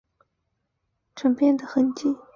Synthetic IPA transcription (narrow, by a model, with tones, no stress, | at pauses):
ʈ͡ʂʰə˨˥ŋpjɛ˥˩nd̪ə˩xə˧˥nt͡ɕi˥˩